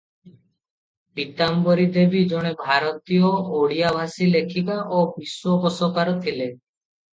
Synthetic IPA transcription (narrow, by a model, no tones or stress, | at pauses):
bit̪ambɔɾid̪ebid͡ʒɔɽ̃ebʱaɾɔt̪ijɔoɽijabʱasilekʰikaʔobiswɔkɔsɔkaɾɔt̪ʰile